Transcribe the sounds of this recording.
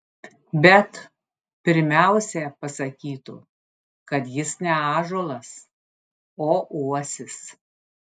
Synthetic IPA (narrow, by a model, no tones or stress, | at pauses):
bʲɛt̪ | pʲɪɾʲmʲæˑʊsʲɛpɐsɐkʲiːt̪ʊ̰ | kɐt̪jɪsnʲɛɑːʒoːlˠɐs | oːʔuɔsʲɪs